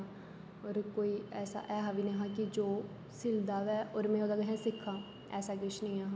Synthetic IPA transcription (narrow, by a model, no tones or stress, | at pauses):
ɔːɾkoːiːɛːsa̰ːʔɛːɦaːʋiːnẽːɦãːkɪd͡ʒoː | sɪld̪aːʋɛːʔɔːɾmɛ̃ːoːd̪aːɡəɦɛ̃ːsɪkʰːaː | ɛ̰ːsaːkɪt͡ʃʰnĩːaːɦaː